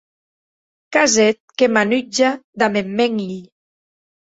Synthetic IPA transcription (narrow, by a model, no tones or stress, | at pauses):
kazɛt̪̚kemanyd͡ʒad̪amemːeŋli